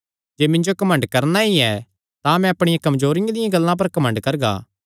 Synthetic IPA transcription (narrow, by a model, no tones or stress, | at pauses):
d͡ʒeːmɪ̃nd͡ʒokɐmə̃ɳɖkɐɾnaiɛ | t̪ãmɛ̃ɐpɽ̃ɪjãkɐmzoːɾɪjãd̪ɪjãɡɐlːãp̬ɐɾkɐmə̃ɳɖkɐɾɡa̰ː